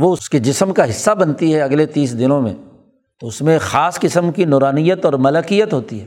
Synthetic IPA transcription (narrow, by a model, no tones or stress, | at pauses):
ʋoʊsked͡ʒɪsəmkaɦɪsːabɐnt̪iɦɛɐɡlet̪iːsd̪ɪnõmḛ̃ | t̪oʊsmẽxaːskɪsəmkinɔːɾaːnijət̪ɔːɾmɐləkijət̪ɦoːt̪iɦɛː